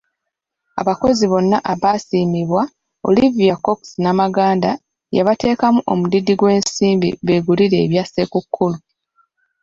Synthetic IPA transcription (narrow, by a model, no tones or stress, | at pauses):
a̰βako̞ziβo̞nːaʔaβaːsiːmiβwa | o̞̰livijako̞ksinamaɡaːnda | ja̰βate̞ːkamuʔo̞̰mudidiɡwe̞ːnsiːmbḭβe̞ːɡuliɾe̞ːβjasekukʰːulu